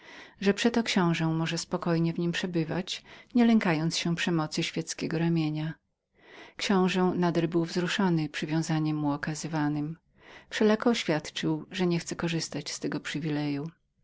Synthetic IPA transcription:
ʐɛpʂɛt̪ɔkɕɔ̃w̃ʐɛ̃mɔʐɛspɔkɔjɲɛvɲimpʂɛbɘva̰t͡ɕɲɛlɛŋkajɔnt̪sɕɛpʂɛmɔt̪sɘɕfʲjɛt̪skʲɛɡɔɾamʲjeɲa | kɕɔ̃w̃ʐɛnad̪ɛlbɘwvzɾuʂɔnɘpʂɘvʲjɔ̃w̃zaɲɛmːuɔkazɘvanɘm | fʂɛlakɔːɕfʲjat̪t͡ʂɘwʐɛɲɛxt̪sɛkɔʐɘst̪at͡ɕst̪ɛɡɔpʂɘvʲilɛju

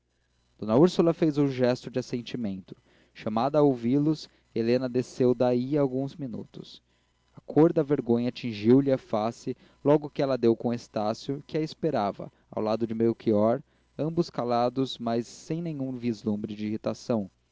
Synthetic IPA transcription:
d̪̥õnɐuɾsulɐfejzũʒɛst̪ʊd͡ʒɪasẽnt͡ʃimẽnt̪ʊ̥ | ʃamad̪ɐowvilʊs | elẽnɐd̪esewd̪aiɐwɡũzminṵt̪ʊs | ɐkʰoɾd̪ɐveɾɡõjɲɐːt͡ʃĩʒiwlɪɐfasɪ | lɔɡʊkɪɛlɐd̪ewkõest̪asjʊkɪɐispeɾavɐ̰ | a̰wlad̪ʊd͡ʒɪmejʊkʰiɔɾ | ɐ̃mbʊskalad̪ʊsmajsːẽj̃nẽɲũvizlũmbɾɪd͡ʒɪihit̪asɐ̃w̃

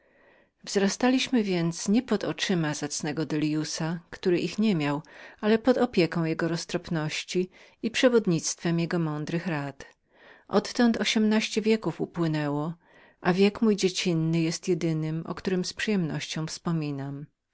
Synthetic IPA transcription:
vzɾast̪alʲiɕmɘvʲjɛnt̪sɲɛpɔd̪ɔt͡ʂɘmazat̪snɛɡɔd̪ɛlʲjusakt̪uɾɘʔixɲɛmʲjawalɛpɔd̪ɔpʲjɛkɔ̃w̃jɛɡɔɾɔst̪ɾɔpnɔɕt͡ɕi | ipʂɛvɔd̪ɲit̪st̪fɛmjɛɡɔmɔnd̪ɾɘxɾat̪ | ʔɔt̪ːɔnt̪ɔɕɛmnaɕt͡ɕɛvʲjɛkufupwɘnɛwɔ | ʔavʲjɛkmujd͡ʑet͡ɕinːɘjɛst̪jɛd̪ɘnɘmɔ̰kt̪uɾɘmspʂɘjɛmnɔɕt͡ɕɔ̃w̃fspɔmʲinam

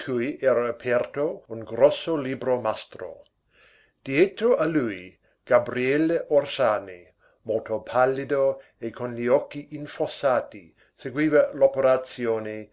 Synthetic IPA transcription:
t̪ʰujʔɛːɾaapʰɛrt̪ouŋɡɾɔsːoliːbɾomast̪ɾo̰ | d̪̥iet̪ɾoʔaluj | ɡ̥abɾiɛlːeʔorsaːni | molt̪opʰalːid̪o | ekʰonʎiɔkːiʔinfosːaːt̪i | seɡwiːvalopeɾat̪sjoːne

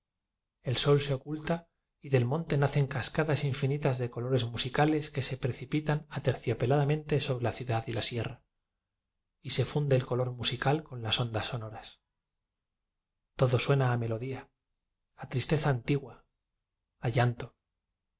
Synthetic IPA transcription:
e̞lso̞lse̞o̞kult̪a | iðe̞lmont̪e̞naθe̞ŋkaskaðasiɱfinit̪azðe̞ko̞lo̞ɾe̞zmusikale̞ske̞se̞pɾe̞θipit̪anat̪eɾθjope̞laðamẽ̞nt̪e̞so̞βɾe̞laθjuðaðilasje̞ra | ise̞fund̪eːlko̞lo̞ɾmusikalko̞nlaso̞nd̪asːo̞no̞ɾas | t̪o̞ðo̞swe̞naːme̞lo̞ðiaː | t̪ɾist̪e̞θaːnt̪iɣwaː | ʝant̪o

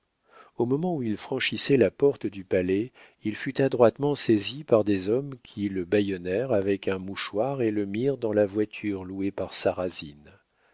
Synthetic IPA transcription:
omɔmɑ̃uilfχɑ̃ʃisɛlapɔʁt̪d̪ypalɛ | ilfyt̪ad̪ʁwat̪mɑ̃sezipaʁd̪ezɔmkʲʰiləbajɔnɛʁavɛkɛ̃muʃwaʁeləmiʁd̪ɑ̃lavwat̪ʰyʁluepaʁsaʁazin

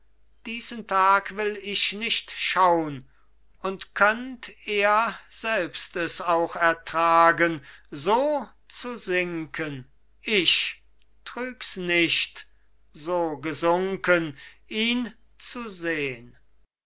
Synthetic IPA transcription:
d̥iːzəntʰaːkvɪlɪʃnɪʃtʃaʊən | ʊntkʰœnteːɐz̥ɛlpstɛsaʊxɛɐtʁ̥aːɡənzoː | t͡suzɪŋkʰən | ʔɪɕ | tʁ̥yːksnɪʃt | zoːɡəzʊŋkənʔiːn | t͡suzeːən

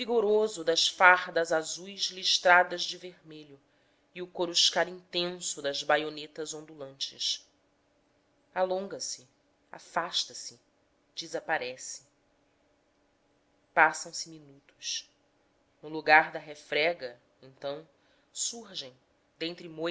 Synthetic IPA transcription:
viɡoɾozʊd̪ɐʃfaʁd̪ɐzazujzliʃt̪ɾad̪ɐzd͡ʒɪveɾmeʎʊ | iʊkoɾuʃkaɾĩnt̪ẽsʊd̪ɐzbajonet̪ɐzõnd̪ulɐ̃nt͡ʃɪʃ | alõŋɡɐsɪ | a̰faʃt̪ɐsɪ | d͡ʒizapaɾɛsɪ̥ | pasɐ̃w̃sɪminut̪u̥ʃ | nʊluɡaɾd̪ɐɦefɾɛɡɐ | ẽnt̪ɐ̃w̃ | suɾʒẽj̃ | d̪ẽnt̪ɾɪmo

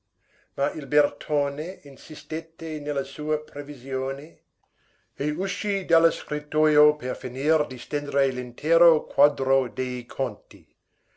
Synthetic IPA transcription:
mailbert̪ʰoːneinsist̪et̪ːenelːasuːɐpɾevizjoːne | euʃid̪aloskɾit̪ːojoperfiniːrd̪ist̪end̪ɾelint̪ʰɛːɾokʰwad̪ɾod̪ejkʰont̪i

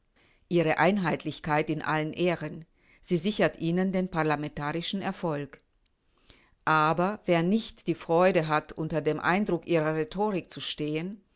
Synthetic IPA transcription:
ʔiːʁəʔaɪnɦaɪtlɪçkʰaɪtɪnʔa̰lənʔeːʁən | z̥iːzɪçɐtʔiːnəndeːnpaʁlamɛntaːʁɪʃn̩ɛɐfɔlk | ʔaːbɐveːɐnɪçtd̥iːfʁ̥ɔʏdəɦatʔʊntɐdeːmʔa̰ɪndʁʊkʔiːʁ̞ɐʁetʰoːʁɪk̚t͡suʃteːən

